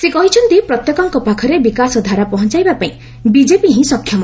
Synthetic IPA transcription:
sekɔɦit͡ʃʰɔnt̪ipɾɔt̪jɔkɔŋkɔpakʰɔɾebikasɔd̪ʱaɾapɔɦɔnt͡ʃajbapaĩ | bid͡ʒepiɦĩsɔkʰjɔmɔ

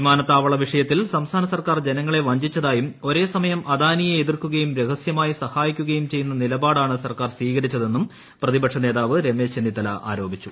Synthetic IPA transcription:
imaːnɐt̪ːaːʋɐɭɐʋiʂɐjɐt̪ːilsɐmst̪ʰaːnɐsɐrkaːrd͡ʑe̞nɐŋːɐɭe̞ʋɐɲd͡ʑit͡ɕːɐðaːjumo̞ɾe̞ːsɐmɐjɐmɐd̪aːnijɐeðirkuɣɐjumɾeɣɐsjɐmaːjisɐhaːjikʲːuɣɐjumt͡ɕe̞jːunːɐnilɐbaːɽaːɳɨsɐrkaːrsʋiːɣɐɾit͡ɕːɐðe̞nːum | prɐðibɐkʂɐne̞ːðaːʋɨɾe̞me̞ːt͡ɕend̪it̪ɐlaʔa̰ːɾo̞ːbʱit͡ɕːu

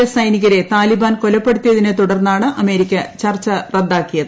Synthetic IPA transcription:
sɐjniɣɐɾe̞t̪aːlibaːnko̞lɐpːe̞ɽut̪ːijɐðinet̪uɽɐrnːaːɳɨʔɐme̞ːɾikʲːɐt͡ɕɐrt͡ɕːɐred̪ːaːkːijɐðɨ

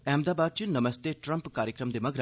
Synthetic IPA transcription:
ɛ̃ːmd̪aːbaːd̪̚t͡ʃinɐməst̪eʈɾə̃mpkaːɾjəkɾəmd̪emɐɡɾa

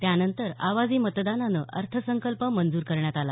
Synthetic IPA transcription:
t̪janənt̪əɾa̰ʋad͡ziːmət̪d̪ananə̰ʔə̰ɾt̪ʰəsəŋkəlpəmənd͡zuːɾkəɾɳjat̪ala

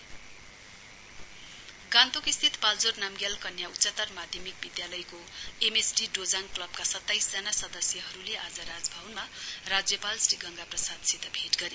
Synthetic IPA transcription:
ɡãnt̪okist̪ʰit̪pald͡zornamɡjalkʌnjautsʌt̪ːʌrmad̪ʱjʌmik̚bid̪jalʌjkoemesɖiɖod͡zaŋklʌb̚kasʌt̪ːajsd͡zʌnasʌd̪ʌsjʌɦʌɾuleʔad͡zʌɾad͡zbʱawnmarad͡zjʌpalsriɡʌŋɡaprʌsad̪sit̪ːʌbʱeʈɡʌɾe

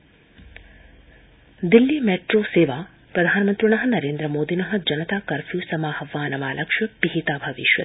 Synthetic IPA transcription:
d̪ilːimeːʈɾoːseːʋaː | pɾɐd̪ʱaːnɐmɐnt̪ɾiɳ̃ɐɦɐ̆nɐɾeːnd̪ɾɐmoːd̪inɐɦɐ̆d͡ʒɐnɐt̪aːkɐɾfʰjuːsɐmaːhɐʋːaːnɐmaːlɐkʂjɐpiɦit̪aːbʱɐʋḭʃʋɐ̰

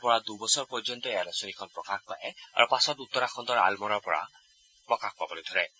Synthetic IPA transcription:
pɔɹad̪ubɔsɔɹpɔɹd͡ʒɔnt̪ɔealasɔnikʰɔnpɹɔkaxpa̰jɛa̰ɹupasɔt̪ut̪ːɔɾaxʰɔnt̪ɔɹa̰lmɔɾɔɹpɔɹa̰ | pɹɔkaxpabɔlid̪ʱɔɹɛ

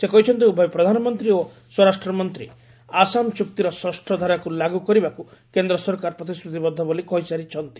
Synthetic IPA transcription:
sekɔɦit͡ʃʰɔnt̪iubɔjpɾɔd̪ʱanɔmɔnt̪ɾio | swɔɾasʈɾɔmɔnt̪ɾḭ | asanɔt͡ʃukt̪iɾɔsɔsʈʰɔd̪ʱaɾakulaɡukɔɾibakukend̪ɾɔsɔɾkaɾɔpɾɔt̪ist̪ɾut̪ibɔd̪ʱːɔbolikɔjsaɾit͡ʃʰɔnt̪i̥

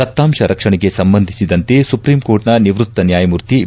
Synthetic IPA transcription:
ɐt̪ːaːmʂɐɾɐkʂɐɳɛɡe̞sɐmbɐnd̪ʱisid̪ɐnt̪e̞supɾiːmkoːɾʈnɐniʋɾut̪ːɐnjaːjɐmuɾt̪i

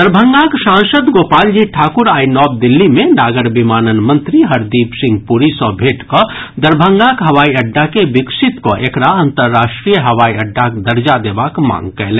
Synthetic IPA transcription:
d̪əɾbʱə̃ŋɡakʃãːnsəd̪ɡoːpaːld͡ʒiʈʰaːkʊɾaːinɔːb̚d̪ɪlːimẽnaːɡəɾbimaːnənmə̃nt̪ɾiɦəɾd̪iːpsɪ̃ŋɡ̚puɾisɔbʱeːʈkod̪əɾbʱə̃ŋɡakɦɐʋaːiɐɖːakebɪkʃɪt̪koʔekɾaə̃nt̪əɾːaːʃʈɾijəɦɐʋaːiɐɖʱːakd̪ɐɾd͡ʒad̪eːbaːkmã̰ːŋɡkɛɦle

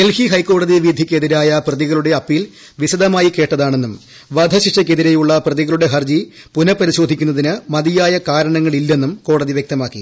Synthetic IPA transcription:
elhiɦɐjkːo̞ːɽɐðiʋid̪ʱikʲːeðiɾaːjɐprɐðiɣɐɭuɽe̞ɐpːil | ʋiɕɐd̪ɐmaːjike̞ːʈːɐðaːɳe̞nːum | ʋɐd̪ʱɐɕiʂɐk̬ʲːeðiɾejuɭːɐprɐðiɣɐɭuɽe̞ɦɐrd͡ʑi | punɐpːɐɾiɕo̞ːd̪ʱikʲːunːɐðinɨmɐðijaːjɐkaːɾɐɳɐŋːɐɭilːe̞nːumko̞ːɽɐðiʋjek̚t̪ɐmaːkːḭ

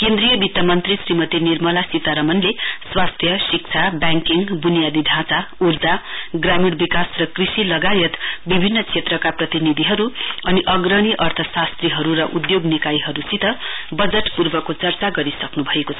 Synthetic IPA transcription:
kend̪ɾijʌbit̪jamʌnt̪risrimʌt̪inirmʌlasit̪aɾʌmʌnleswast̪ʰjʌsik̚t͡sʰabjaŋkiŋbunijad̪id̪ʱãt͡saurd͡zaɡramiɽbikasrʌkrisilʌɡajʌt̪bibʱinːʌt͡sʰet̪rʌkaprʌt̪inid̪ʱiɦʌɾuʌniʔʌɡrʌɽ̃iʔʌrt̪ʰʌsast̪riɦʌɾuɾʌʔud̪joɡnikajiɦʌɾusit̪ʌbʌd͡zʌʈpurbʌkot͡sʌrt͡saɡʌɾisʌknubʱʌekot͡sʰʌ

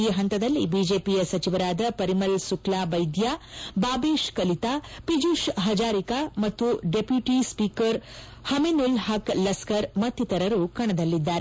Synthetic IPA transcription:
iːɦɐnt̪ɐd̪ɐlːibiːd͡ʒeːpijɐsɐt͡ʃiʋɐɾaːd̪ɐpɐɾimɐlsuklaːbɐjd̪jaːbaːbeːʃkɐlit̪aːpid͡ʒuʃɦɐd͡ʒaːɾikaːmɐt̪ːuɖepjuʈispiːkɐɾ | hɐmenulɦaklɐskɐɾmɐt̪ːit̪ɐɾɐɾukɐɳɐd̪ɐlːid̪ːaːɾe

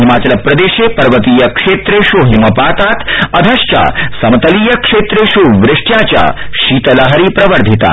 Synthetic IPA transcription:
ɦimaːt͡ʃɐlɐpːɾɐd̪eːʃepɐɾʋət̪iːjɐkʂeːt̪ɾeʃuɦimɐpaːt̪aːt̪ʰɐd̪ʱɐʃt͡ʃa̰sɐmt̪ɐliːjɐkʂeːt̪ɾeʃuʋɾɪʂʈjaːt͡ɕja̰ʃiːt̪ɐlɐɦɐɾiːpɾɐʋəɾd̪ʱit̪a̰ː

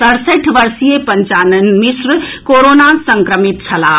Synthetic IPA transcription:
sɐɾseʈʰʋɐɾsijepɐɲt͡ʃaːnənmisɾəkoɾonasɐŋkɾəmit̪t͡ʃʰɐlaː

